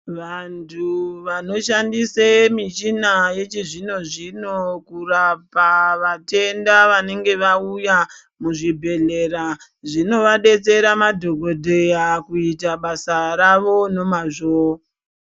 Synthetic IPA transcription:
ʋantʰuʋano̞ʃandisemit͡ʃinaje̞t͡ʃiʐino̞ʐino̞kurapaʋate̞ndaʋane̞ŋɡe̞ʋauja | muʐibʱe̞ɮe̞ɾa | ʐino̞ʋaɗe̞t͡se̞ɾamadʱoɡʱo̞dʱe̞jakuitaɓasaɾaʋo̞no̞maʐo

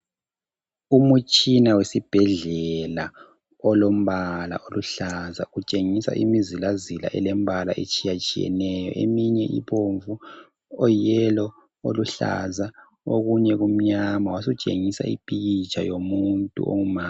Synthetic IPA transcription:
umut͡ʃʼinawesib̥ʱɛɮɛla | ɔlom̩βala̰ʔoluɬazaɣut͡ʃʼeŋisa̰ʔimizilazila̰ʔɛlɛm̩bʱalaʔet͡ʃʼijat͡ʃʼijɛ̰nɛjɔ̰ʔemiɲɛʔḭβoɱvu | ɔjɛlɔ | oluɬa̰za | oɣuɲɛɣum̩ɲamawasut͡ʃʼeŋisa̰ḭpʼiɣit͡ʃʼʰajomuntʼṵʔo̰ŋumaː

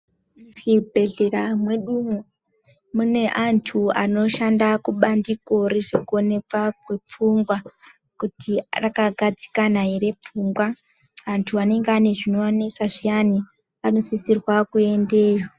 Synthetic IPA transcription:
ʐibʱe̞ɮe̞ɾamwe̞ɗumu | mune̞ʔantʰuano̞ʃandakuɓandiko̞ɾeʐikuone̞kwakwe̞p͡fuŋɡwa | kutirakaɡʱad͡zi̥kanaɦiɾe̞p͡fuŋɡwa | antʰuane̞ŋɡeane̞ʐino̞anesaʐiani | ano̞sisirwakue̞nde̞ːʐo

